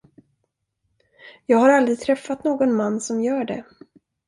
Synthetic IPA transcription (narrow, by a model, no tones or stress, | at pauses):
jɑːɡhaɾald̪ɾɪɡ̚t̪ʰɾɛfːat̪noːɡɔnmanːsɔmjœːɖɛ̰